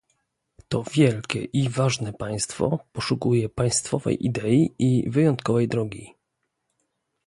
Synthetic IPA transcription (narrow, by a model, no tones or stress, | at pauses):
t̪ɔvʲjɛlkʲɛ̰ʔivaʐnɛpaj̃st̪fɔ̰pɔʂukujɛpaj̃st̪fɔvɛ̰jʔid̪ɛiʔivɘjɔnt̪kɔvɛjd̪ɾɔɡʲi